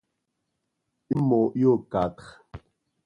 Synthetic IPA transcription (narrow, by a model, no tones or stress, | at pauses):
imoʔjokat̪χ